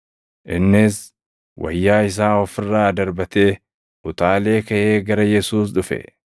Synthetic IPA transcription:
ʔɪnːɪs | wʔɐ̰jːaːɪs̬aːɔfɪrːaːd̪ɐɾbɐt̪e̞ː | ʔʊt̪aːle̞ːkɐʔe̞ːɡɐɾɐjɛsuːs̬ᶑʊfɛ̰

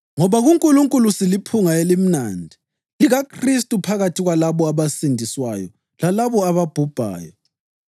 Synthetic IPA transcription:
ŋɔβaɣuŋkʼuluŋkʼulusilipʰuŋaelim̩naːndʱi | liɣakʰristʼupʰaɣatʰiɣwalaβɔaβasindʱiswa̰jɔ̰ | lalaβɔaβab̥ʱub̥ʱa̰ːjɔ̰

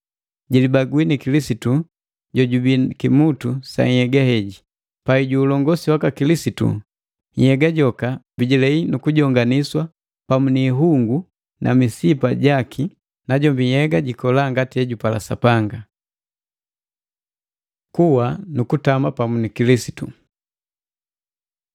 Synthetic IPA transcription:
ɟilibaɡwinikilisitu | ɟɔɟubikimutusa̰ɲhɛɡahɛɟi | paiɟuːlɔŋɡɔsiwakakilisitṵ | ɲhɛɡaɟɔkabiɟilɛinukuɟɔŋɡaniswa | pamuniːɦuŋɡu | nʔa̰misipaɟakʰi | naɟɔmbihɛɡaɟikɔlaŋɡatiɛɟupala̰sa̰paŋɡa | kuwanukutamapamunikilisi̥tu

